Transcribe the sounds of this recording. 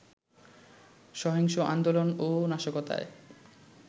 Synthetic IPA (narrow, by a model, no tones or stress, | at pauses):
ʃɔɦeŋʃoʔand̪olononaʃokot̪a̰e